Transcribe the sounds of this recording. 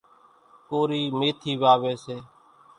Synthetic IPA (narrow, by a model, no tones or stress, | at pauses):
koːɾiːmeːt̪ʰiːʋaːʋeːseː